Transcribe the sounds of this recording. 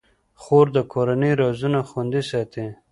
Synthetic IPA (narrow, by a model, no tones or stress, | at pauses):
xoːɾd̪əkʰoɾanejɾozunaxwand̪isɑt̪i